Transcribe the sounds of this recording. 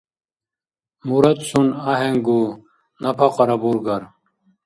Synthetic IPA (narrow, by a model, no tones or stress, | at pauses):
muɾɐt̪sunaɦeŋɡu | nɐpʰɐqɐɾɐbuɾɡɐɾ